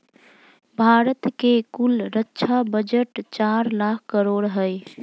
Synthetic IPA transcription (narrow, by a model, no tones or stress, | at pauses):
bʱaɾət̪kekulɾətːʃʰabəd͡ʒəʈt͡ʃaɾlak̚ʰkəɾoɽɦəj